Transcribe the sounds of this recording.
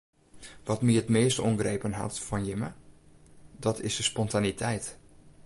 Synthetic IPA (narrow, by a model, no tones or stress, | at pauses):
ʋɔtmiətmeːstɔ̰ŋɡrejpənɦa̰tfɔnjɪmə̰ | dɔtʰɪsdəspɔntanitʰɛjt